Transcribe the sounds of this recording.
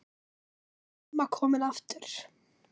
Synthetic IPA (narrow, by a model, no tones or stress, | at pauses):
makʰɔːmɪnaft̪ʏɾ̥